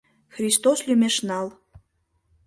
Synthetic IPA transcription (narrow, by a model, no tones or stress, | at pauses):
xrʲist̪oslʲymeʃnɑl